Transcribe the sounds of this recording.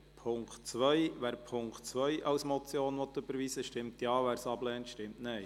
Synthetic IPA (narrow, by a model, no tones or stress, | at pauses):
pʰʊŋktt͡sʋœjʋæːɾpʰʊŋkχtt͡sʋœɪʔɑwsmɔt͡sjoːnʋɔt̪ʏb̥əɾʋiːsəʃtɪmtjɑːʋæːɾsɑblɛːntʃtɪmtnɛɪ